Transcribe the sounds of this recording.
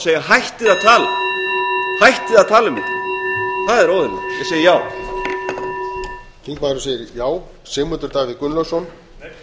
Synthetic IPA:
seːjaɦajht̪ɪðaðt̪ʰaːla̰ | hajht̪ɪðaðt̪ʰaːlʏmɪt̪lɪθaðɛɾowðʏnḛjɛseːjɪjaːw | iŋkmaːðɾʏseːjɪɾjaːw | sɛːmʏt̪ʏɾt̪aːɣvɪkʏnlœwsɔn

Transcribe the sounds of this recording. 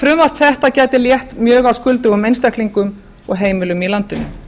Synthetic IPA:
fɾʏmvar̥p̪θɛht̪acɛːjt̪ɪljɛht̪mjœːɣawskʏlt̪ʏɣʏmejnst̪akliŋkʏm | ɔɣɦeːjmɪlʏmilant̪ʏnʏ̰

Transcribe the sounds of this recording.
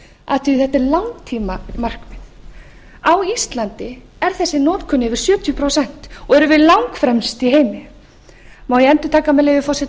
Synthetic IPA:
a̰t̪ʰʏiθɛht̪ɛɾlawŋt̪ʰiːmamar̥kmɪn | awist̪lant̪ɪ | ɛɾθɛsːɪnɔːt̪kʰʏnːɪvɪɾ̥sjœːt̪ʰjʏpʰɾowsɛn̥t̪ɔɣɛɾʏvɪðlawŋkfɾɛmst̪iɦeːjmɪ | mawjɛɛnt̪ʏ̥t̪ʰaːkamɛleːjvɪfɔwsɛ

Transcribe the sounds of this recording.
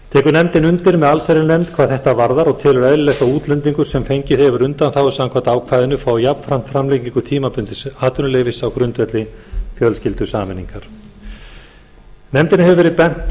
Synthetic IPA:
t̪ʰɛːkʏɾnɛmt̪ɪnʏnt̪ɪɾmɛðalsajɾɪnɛmt̪kʰvaðθɛht̪avaɾðaɾɔɣt̪ʰɪːlʏɾɛðɾɪlɛht̪auːt̪lɛnt̪̬iŋkʏɾ̥sɛmfejɲcɪθɛvʏɾʏnt̪anθawʏsaŋkʰvat̪aːwkʰvaːjðɪnʏfaːwjapn̥fɾam̥t̪fɾamlɛciŋkʏt̪ʰiːmapʏnt̪ɪaːt̪ʏnʏlejvɪsawkɾʏnt̪vɛt̪lɪθjœlscɪlt̪ʏsaːmɪnːḭŋkaɾ̥ | nɛmt̪ɪnɪhɛvʏvɛːɾɪðpɛn̥t̪

